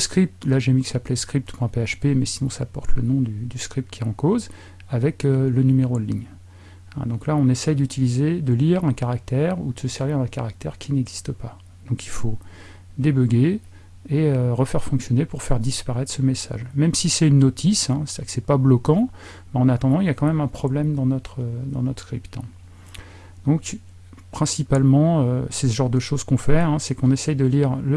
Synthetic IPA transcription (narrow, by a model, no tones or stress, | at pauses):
əskχip̚t̪laʒemiksaplɛskχip̚t̪pwɛ̃peaʃpemɛsinɔ̃saːpɔʁt̪lə̰nɔ̃d̪yd̪yskχip̚t̪̚kʲiɛɑ̃koz | avɛkølənymeʁod̪liɲ | ɛ̰̃d̪ɔ̃klaɔ̃nesɛjd̪yt̪ʰilized̪əliʁɛ̃kaʁak̚t̪ɛʁud̪əsəsɛʁviʁd̪ɛ̃kaʁak̚t̪ɛʁkʲʰinɛɡzist̪əpa | d̪̥ɔ̃kilfo | d̪ebøɡeː | øʁəfɛʁfɔ̃ksjɔnepuʁfɛʁd̪ispaʁɛt̪χsəmesa̰ʒmɛmsisɛynːot̪ʰisɛ̃sɛksɛpablɔkɑ̃ | mɛɑ̃nat̪ɑ̃d̪ɑ̃iljakɑ̃mɛmɛ̃pχɔblɛmd̪ɑ̃nɔt̪χəd̪ɑ̰̃nɔt̪χskχipt̪ɛ̃ | d̪̥ɔ̃k | pχɛ̃sipalmɑ̃øseəʒɑ̃ʁd̪əʃoz̥kɔ̃fɛɛ̃sɛkɔ̃nesɛjd̪əliʁlə